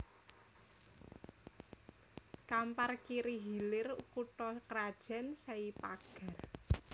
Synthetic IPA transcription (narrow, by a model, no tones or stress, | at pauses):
kamparkiɾiɦilɪrukuʈɔkəɾad̥ʒ̥a̤nsaipaɡ̥a̤r